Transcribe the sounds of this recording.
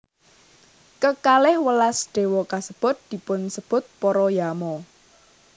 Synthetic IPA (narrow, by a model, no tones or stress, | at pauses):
kəkalɪhwəlasɖ̥e̤wɔkasəb̥ʊ̤t̪̚d̪̥i̤pʊnsəb̥ʊ̤t̪̚pɔɾɔjamɔ